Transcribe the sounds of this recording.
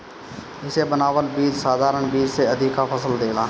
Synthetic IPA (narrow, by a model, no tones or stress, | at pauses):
ɪsebənaːʋəlbiːd͡ʒsaːd̪ʱaːɾəɳ̃biːd͡ʒseɐd̪ʱɪkapʰəsəld̪eːlaː